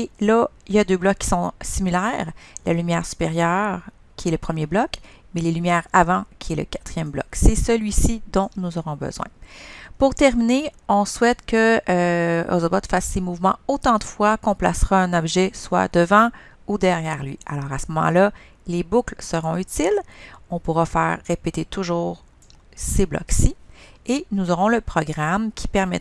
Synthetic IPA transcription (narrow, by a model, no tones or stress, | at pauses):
elailjad̪øːblɔkːi̥sɔ̃similɛːʁlalymjɛːʁsy̥peʁjœːʁ | kʲʰiɛləpχəmjeblɔk | mɛlelymjɛːʁavɑ̃kʲʰiɛlə̰kḁt̪χijɛmblɔ̰ksɛsəlɥisid̪ɔ̃nuzɔʁɔ̃bə̰z̥wɛ̰̃puʁt̪ɛʁmineɔ̃swɛt̪kə | o̰zɔbɔd̪̥fasːemuvmɑ̰̃ot̪ɑ̃d̪əfwakɔ̃pla̰sʁaɛ̃nɔbʒɛswa̰d̪əvɑ̃ | ud̪ɛʁjɛːʁlɥḭalɔːʁasəmɔmɑ̰̃la | lebuklsəʁɔ̃yt̪ilɔ̃puʁafɛːʁːepet̪et̪uʒuːʁ | seblɔ̰ksienuzɔʁɔ̃ləpχɔɡʁamkʲʰi̥pɛʁmɛ̰t̪